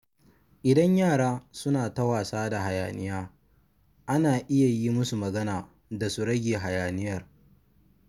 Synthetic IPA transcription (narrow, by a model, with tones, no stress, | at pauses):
ʔɪ˨dɐ˦ɲjaː˦˨ɽaː˦sʊ˦naː˨tɐ˦waː˨saː˦da˨ɦa˨ja̰ː˨nɪ˦jaː˦ | ʔa˦naː˨ʔɪ˦ja˨jiː˦mʊ˦su˨mɐ˨ɡɐ˦naː˨ | da˨su˦ɽɐ˦ɡʲeː˨ɦa˨jaː˨nɪ˦jɐ˦˨r